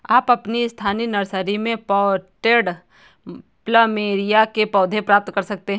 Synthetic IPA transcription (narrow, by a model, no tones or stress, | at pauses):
aːpɐpnist̪ʰaːninɐɾsəɾimẽpɔːʈeːɖ | pləmeːɾijakepɔːd̪ʱẽpɾaːp̚t̪kɐɾsɐk̚t̪eɦ